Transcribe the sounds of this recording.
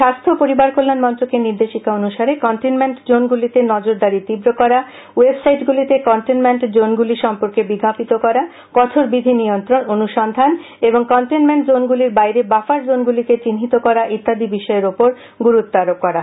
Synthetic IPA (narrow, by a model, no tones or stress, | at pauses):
ʃast̪ʰopoɾibaɾkolːanmɔnt̪ɾokeniɾd̪eʃikaonuʃaɾekɔɳʈinmeɳʈd͡ʑonɡulit̪enɔd͡ʑoɾd̪aɾit̪ibɾokɔɾa | websajʈɡulit̪ekɔɳʈenmeɳʈd͡ʑonɡuliɾʃɔmpoɾkebiɡapit̪okɔɾa | kɔt̪ʰoɾbid̪ʱinijont̪ɾononuʃɔnd̪ʱan | eboŋkɔɳʈenmeɳʈd͡ʑonɡuliɾbajɾebafaɾd͡ʑonɡulit̪et͡ɕinɦit̪okɔɾaʔit̪ːad̪ʱibiʃɔeɾopoɾ | ɡuɾut̪ːaɾok̚kːɔɾa